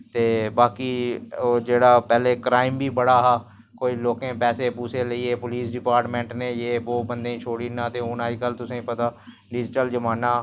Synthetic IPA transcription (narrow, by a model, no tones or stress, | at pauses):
t̪eːbaːkiːoːd͡ʒeːɽaːpɛːleːkɾaːɪmbʱiːbəɽaːɦaː | koːiːloːkẽːpɛːseːpuːseləiːeːpʊliːsɖɪpaːɾʈmẽːɳʈnẽːjeːboːbənd̪ẽt͡ʃʰoːɽiːnaːt̪eonaːikəlt̪ʊsẽːpət̪aː | ɖɪd͡ʒɪʈəld͡ʒəmaːnaː